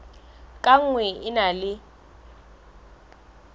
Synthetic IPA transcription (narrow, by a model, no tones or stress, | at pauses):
kʼaŋ̩ŋwɛɪnalɪ